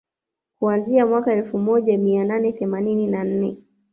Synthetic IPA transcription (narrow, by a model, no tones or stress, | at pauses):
kuanziamwakaɛlfumɔʄamiananɛθɛmanininan̩nɛ